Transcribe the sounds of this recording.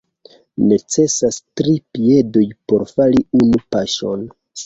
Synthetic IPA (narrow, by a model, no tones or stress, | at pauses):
ne̞t͡se̞sastɾipie̞dojpo̞ɾfaliunupaʃo̞̰n